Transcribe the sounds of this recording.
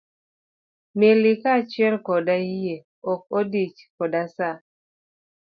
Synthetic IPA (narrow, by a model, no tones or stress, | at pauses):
melikat͡ʃɛlkɔdae | ɔk̚odit͡ʃkɔdasa